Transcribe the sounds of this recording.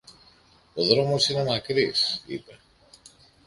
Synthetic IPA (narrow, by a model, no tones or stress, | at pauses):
oðɾomosinemakɾisḭta